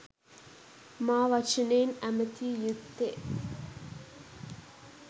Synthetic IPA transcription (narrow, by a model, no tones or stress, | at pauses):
maːʋɐt͡ʃɐneːnæmət̪iːjut̪ːe